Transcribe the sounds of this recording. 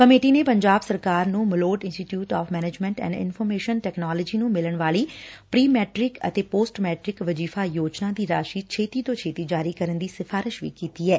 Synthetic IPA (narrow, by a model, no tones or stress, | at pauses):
kəmeːʈiːneːpəɲd͡ʒaːbsəɾkaːɾnũːmɪloːʈɪ̃nsʈiːʈjuːʈaːfʰmɛːneːd͡ʒmɛ̃ɳʈɛ̰̃ːɳɖɪ̰nfʰɔːɾmeːʃənʈɛːknaːləd͡ʒiːnũːmɪləɳʋaːliːpɾiːmɛːʈɾɪkə̰t̪eːpoːsʈmɛːʈɾɪkʋəd͡ʒiːfʰaːjoːd͡ʒnãːd̪iːɾaːʃiːt͡ʃʰeːt̪iːt̪õːt͡ʃʰeːt̪iːd͡ʒaːɾiːkəɾənd̪iːsɪfʰaːɾɪʃʋḭːkiːt̪iːɛː